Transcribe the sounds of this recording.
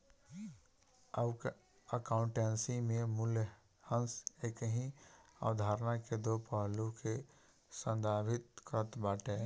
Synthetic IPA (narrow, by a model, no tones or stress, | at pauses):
əbk | əkãʊ̃ɳʈeːnsimẽmʊlj | hə̃nseːkəɦĩa̰ʋd̪ʱaːɾnaked̪opəɦlõke | sə̃nd̪aːbʱɪt̪̚kət̪baːʈẽ